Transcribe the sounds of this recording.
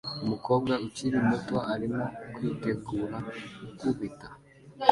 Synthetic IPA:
mukɔɡaut͡ʃiɾimutwaʔaɾimɔkwitɛɡuɾaukuβita

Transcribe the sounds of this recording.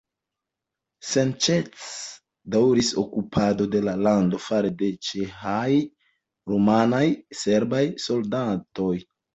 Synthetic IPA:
sent͡ʃet͡s | dawɾiso̞̰kupʰado̞de̞lalando̞faɾe̞de̞t͡ʃexaj | ɾomanajse̞ɾbajso̞ldato̞j

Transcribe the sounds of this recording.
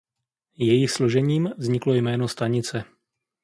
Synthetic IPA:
jɛjɪxslo̞ʒɛɲiːmvzɲɪklo̞jmɛːnost̪aɲɪt͡sɛ

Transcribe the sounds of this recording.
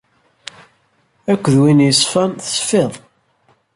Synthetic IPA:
ækʷːəðwinjəsfænθə̥sfeðˤ

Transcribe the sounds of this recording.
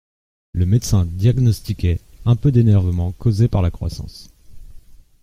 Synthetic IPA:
ləmɛt̪sɛ̃d̪jaɡnɔst̪ikʲɛɛ̃pød̪enɛʁvəmɑ̃kozepaʁlakχwa̰sɑ̰̃s

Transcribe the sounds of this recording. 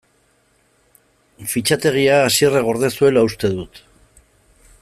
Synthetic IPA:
fit͡ʃat̪e̞ɣ̞iaːsiereɣ̞o̞ɾðe̞sue̞laust̪e̞ðut̪

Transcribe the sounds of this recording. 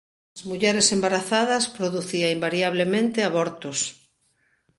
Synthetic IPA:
ɐzmuʎɛɾesembaɾaθaðɐspɾoðuθiaimbaɾiaβ̞lemẽnt̪eaβɔɾt̪ʊs

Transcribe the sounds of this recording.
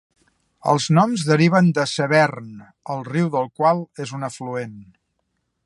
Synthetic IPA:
ə̰lˠznɔmzðəɾiβ̞ənd̪əsəβɛrn | əlˠriwðəlˠkwalˠezunəfluen

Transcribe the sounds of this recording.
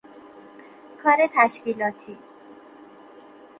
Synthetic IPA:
kʰɒːɾet̪ʰæʃciːlɒːt̪ʰiː

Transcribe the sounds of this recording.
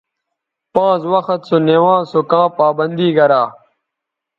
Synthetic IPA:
pãːt͡swɐxət̪soneːwãːsokãːpaːbɐnd̪iːɡɐɾaː

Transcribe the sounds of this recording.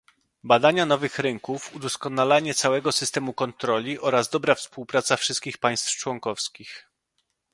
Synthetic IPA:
bad̪aɲanɔvɘxɾɘŋkufud̪ɔskɔnalaɲɛt̪sawɛɡɔsɘst̪ɛmukɔnt̪ɾɔlʲiʔɔɾazd̪ɔbɾafspuwpɾat̪safʂɘst̪̚kʲixpaj̃st̪ft͡ʂwɔŋkɔfskʲix

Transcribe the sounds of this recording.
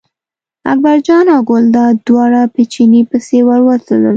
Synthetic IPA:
a̰k̚baɾd͡ʒɑnɑɡʊld̪ɑd̪wɑɽapet͡ʃinipəsewəɾwət̪oləl

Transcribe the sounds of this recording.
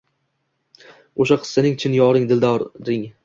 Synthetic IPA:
oʃaqʰɨ̥sːɪnɪŋt͡ʃʰɪnjɒɾɪŋd̪ɪld̪ɒɾɾɪŋ

